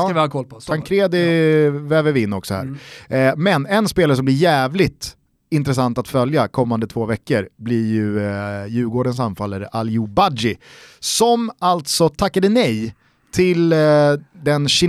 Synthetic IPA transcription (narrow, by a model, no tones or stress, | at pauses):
ɪhɑkʰɔlpʰɔt̪ʰaŋkʰɾeːd̪ɪvɛvɛvɪɪnːɔksɔhæ̰ːɾmɛnɛnspeːlaɾəsɔmblɪɾjæːvlɪt̪ | ɪnt̪ɾɛsant̪at̪fœljakʰɔmːand̪ət̪ʰv̥oːvɛkːəɾblɪɾjɵjʉ̟ːɡoːɖəns̬anfalːaɾʔaljʊbad͡ʒɪsɔmalt̪sɔt̪ʰakːad̪ənɛj | t̪ʰɪl | d̪ɛnɕɪ